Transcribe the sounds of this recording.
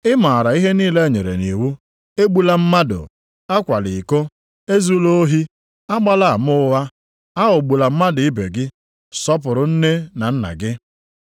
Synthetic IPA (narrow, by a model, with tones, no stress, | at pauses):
ɪ˦ma˨a˨ɾa˨i˦ɦe˦niː˦le˦e˦˨ɲe˨ɾḛ˨ni˨wu˦ | e˦ɡ͡bu˦la˨m̩˦ma˦dʊ̰˨ | a˦kʷa˨lɪ˨ko˦ | e˦zu˦lo˦o˦ɦi˦ | a˦ɡ͡ba˦la˨a˨mʊ˦wa˦ | a˦ɦʊ˨ɡ͡bu˨la˨m̩˦ma˦dʊ˨i˦be˨ɡɪ˦ | sɔ˦p̬ʊ˨ɾʊ˨n̩˦ne˦na˨n̩˦na̰˨ɡɪ˦